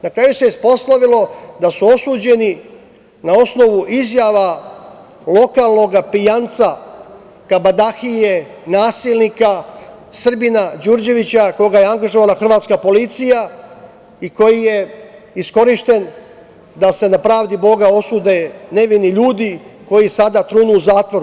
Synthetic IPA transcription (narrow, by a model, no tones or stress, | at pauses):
nakɾaːjuseispo̞slaʋilo̞d̪asuo̞suːd͡ʑe̞ni | nao̞sno̞ʋuʔizjaʋa | lˠo̞kaːlˠno̞ɡapijant̪sa | kabad̪axije | naːsilnika | sr̩binad͡ʒuɾd͡ʑe̞ʋit͡ɕako̞ɡaje̞aŋɡaʒoʋalaxr̩ʋaːt̪skapo̞lit̪sija | iko̞jije̞ | isko̞ɾiʃt̪e̞n | d̪ase̞napɾaːʋd̪ibo̞ɡao̞suːd̪ene̞ʋiniʎuːd̪iko̞jisad̪at̪ɾuːnuuzaːt̪ʋo̞ɾu